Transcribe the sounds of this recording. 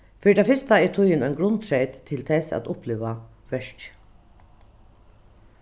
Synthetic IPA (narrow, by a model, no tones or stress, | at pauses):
fɪːd̪afɪst̪aɛt̪ʰʊjɪnɑɪnɡɾʊnt̪ʰɾɛɪt̪t̪ʰːɪlt̪ʰɛsæ̰t̪ʊplɪːʋa | ʋœʂt